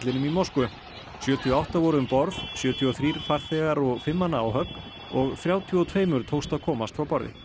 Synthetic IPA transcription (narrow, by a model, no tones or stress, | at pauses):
t̪lɪnʏmimowskʏ | sjœːt̪ʰiɔawht̪avɔɾʏʏmpɔɾðsjœːt̪ʰiɔθɾiːɾ̥faɾ̥θɛɣaɾɔɣfɪmːanːaːwɦœk | ɔɣθɾjaːwt̪ʰiɔt̪ʰveːjmʏɾ̥t̪ʰowst̪aðkʰɔːmast̪fɾawpɔɾðɪ̰